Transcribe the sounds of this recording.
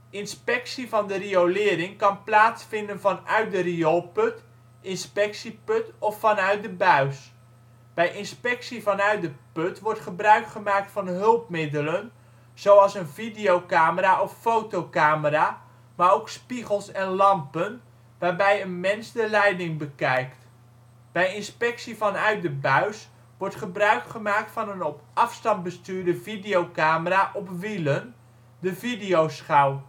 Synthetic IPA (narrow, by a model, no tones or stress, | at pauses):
ɪnspɛksivɑndəriowlɪːɾɪŋkɑnplaːtsfɪndənvɑnœɥt̚dəriolˠpɵt | ʔɪnspɛksipɵtɔfːɑnœɥt̚dəbœɥs | b̥ɛjʔɪnspɛksivɑnœɥt̚dəpøtʋɔɹtχəbrœɥkχəmaːk̚tfɑnɦɵlˠp̚mɪdələn | z̥owɑlˠsənvidiowkaːməɾaʔɔfːowtowkaːməɾaː | maːɾowkspiχəlˠsɛnlɑmpən | ʋaːɹbɛjənmɛnzdəlɛjdɪŋbəkɛjkt | b̥ɛjɪnspɛksivɑnœɥt̚dəbœɥs | ʋɔɹtχəbrœɥkχəmaːk̚tfɑnənɔpɑfstɑnt̚bəstyːɹdəvidijowkaːməraːʔɔpʋilən | dəvidiowsχaw